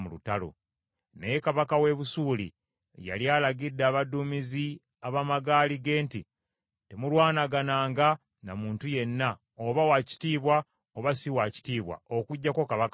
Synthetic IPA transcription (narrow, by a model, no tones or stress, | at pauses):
mulutalo̰ | nejekaβakawe̞βusuːlḭ | ja̰ljaːlaɡidːaːβadumizi | aβamaɡaːliɡe̞ːnti | temulwaːnaɡanaːŋɡa | na̰muːntuje̞nːa | oβawaci̥tiːβwa | oβasiwaci̥tiːβwa̰okuɟːako̞kaβaka